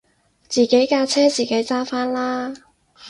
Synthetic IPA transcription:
t͡siː˨˩ke˨˥jkaː˧t͡sʰɛː˥t͡siː˨˩ke˨˥jt͡saː˥faː˥nlaː˥

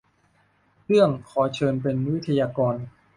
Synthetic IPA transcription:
ɾɯ˥˩əŋkʰɔː˨˩˦t͡ɕʰɤː˧npe˧nwi˦˥t̪ʰːa˧jaː˧kɔː˧n

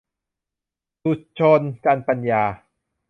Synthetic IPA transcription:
su˨˩t̪̚t͡ɕʰo˧nka˧npa˧njaː˧

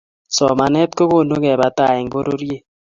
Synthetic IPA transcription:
sɔ˨ma˨nɛ˦t̚ko˦βo˦˨no˦kɛ˨ba˨ta˦˨ɛ˨ŋɡo˦ɾo˦ɾje˦

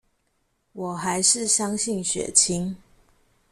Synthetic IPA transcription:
wɔ˨˩xa˧˦ɪʂɻ̩˥˨ɕjɑ˦˥ŋɕi˥˨nɕɥɛ̰˨˩t͡ɕʰi˥ŋ

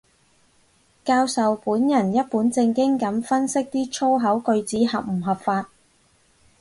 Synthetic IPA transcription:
kaː˧wsɐ˨wpuː˨˥njɐ˨˩njɐ˥t̚puː˨˥nt͡sɪ˧ŋkɪ˥ŋkɐ˨˥mfɐ˥nsɪ˥k̚t̪iː˥t͡ʃʰo˥wɦɐ˨˥wkɵ˧ɥt͡siː˨˥hɐ˨p̚m̩˨˩ɦɐ˨p̚faː˧t̚

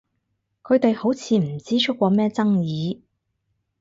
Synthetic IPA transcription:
kʰɵ˨˧ɥt̪e˨jho˨˥wt͡sʰiː˨˧m̩˨˩t͡siː˥t͡ʃʰɵ˥k̚ːʷɔː˧mɛː˥t͡sɐ˥ŋjiː˨˧

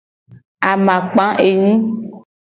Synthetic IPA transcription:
a˨mã˨k͡pã˨˦ʔe˨ɲĩ˦

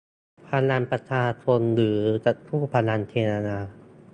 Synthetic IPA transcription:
pʰa˧la˧npɾa˧t͡ɕʰaː˧t͡ɕʰo˧nlɯː˩˦t͡ɕa˨˩tk̪ʰuː˥˩pʰa˧la˧nt̪ʰeː˧ɾa˧naː˧

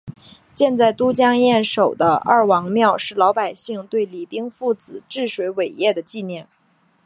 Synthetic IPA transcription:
t͡ɕjɛ˥˧nt͡sa˥˩ɪt̪u˥t͡ɕjɑ˥ŋjɛ˥˩nʂo˨˩ʊd̪ə˦ʔɐ̰˥˩wɑ˧˥ŋmjɑ˥˧ʊʂɻ̩˥˩lɑ˧˥ʊpa˨˩ɪɕi˥˧ŋt̪we˥˩ɪli˨˩pi˥ŋfu˥˩t͡sɹ̩˨˩ʈ͡ʂɻ̩˥˩ʂwe˧˥ɪwe˨˩ɪjɛ˥˩d̪ə˩t͡ɕi˥˧njɛ˥˩n

